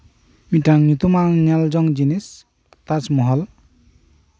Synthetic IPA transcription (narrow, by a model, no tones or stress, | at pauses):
mitaŋnut̪umaŋnɛld͡ʒɔŋd͡ʒinis | t̪at͡ʃmɔɦɔl